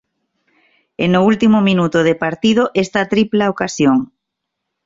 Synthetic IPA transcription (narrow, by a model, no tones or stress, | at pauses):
enʊult̪imʊmĩnut̪oð̞epaɾt̪ið̞oʔest̪ɐt̪ɾiplaokasjoŋ